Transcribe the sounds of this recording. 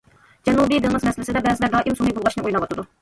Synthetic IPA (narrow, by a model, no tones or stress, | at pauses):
d͡ʒɛnubid̪ɨŋɨzmɛsɪlɪsɨɪd̪ɛbɛzɪlɛɾd̪ɑʔimsunɨjbulˠʁɑʃnɨʔujlˠɑwɑt̪ʰɨd̪u